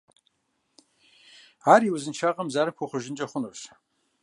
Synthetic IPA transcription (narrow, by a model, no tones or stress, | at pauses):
aːɾiwuzɨnt͡ʃʰaqʼɐmzaɾɨkʷʰoχʷʊʒɪnt͡ʃʼɐχʷʊnoʃ